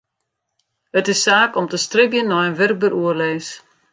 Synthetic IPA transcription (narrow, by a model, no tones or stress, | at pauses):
ətɪsːaːkɔmtəstrɪbjənːɔjənʋɪrk̚bəɾʔuərleːs